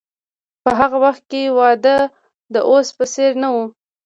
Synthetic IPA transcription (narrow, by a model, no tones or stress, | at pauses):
pəɦaɣawaxt̪̚kewɑd̪ə | d̪əʔospəseɾnawu